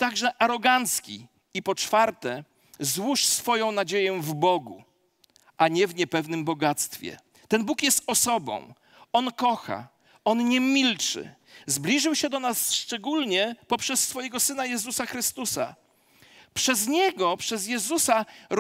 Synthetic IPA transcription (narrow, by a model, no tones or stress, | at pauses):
t̪aɡʐɛʔaɾɔɡant̪skʲḭ | ipɔt͡ʂfaɾt̪ɛ | zwuʂsfɔjɔ̃w̃nad͡ʑejɛvbɔɡṵ | aɲɛvɲɛpɛvnɘmbɔɡat̪st̪fʲjɛ̰ | t̪ɛnbukjɛst̪ɔsɔbɔ̰̃w̃ | ɔnkɔxa̰ | ɔnɲɛmʲilt͡ʂɘ̰ | zblʲiʐɘwɕɛd̪ɔnasʂt͡ʂɛɡulɲɛpɔpʂɛsːfɔjɛɡɔsɘnajɛzusaxɾɘst̪usa̰ | pʂɛzɲɛɡɔpʂɛzjɛzusaɾ